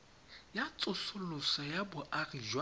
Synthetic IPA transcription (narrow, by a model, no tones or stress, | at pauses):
jat͡sʼʊsʊlʊsɔjabʊʔariʒw